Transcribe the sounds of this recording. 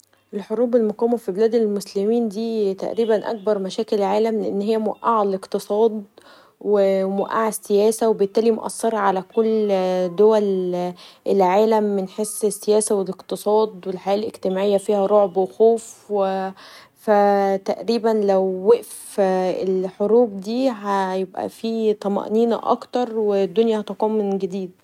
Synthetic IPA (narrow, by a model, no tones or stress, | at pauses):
ʔelħoɾuːbelmoqiːmːæfibelæːd̪elmoslemiːnd̪iːt̪æ̰ʔɾiːbænʔæ̰k̚bɑɾˤmæʃæːkelʕaːlæmleʔenːɦejːæmoæʔaʕaleqt̪ɨsˤɑːd̪ | wemoæʔaʕesːejæːsæwebet̪ːæːlimo̰ʔæ̰sːɑɾˤɑʕalækolːd̪owæl | ʔelʕaːlæmːenħesˤesːejæːsæweleqt̪ɨsˤɑːd̪ˤwelħajæːʔleɡt̪emaːʕejːæfiːhæɾˤoʕbwexuːfw | fæt̪æʔɾiːbænlæwːeʔfelħoɾuːb̚d̪iːæjebʔæ̰fiːt̪ˤɑmɑ̰ʔniːn̰ʔɑ̰kt̪ɑɾˤwed̪ːonjæhɑt̪ɑkuːnmɪnɡæd̪iːd̪̚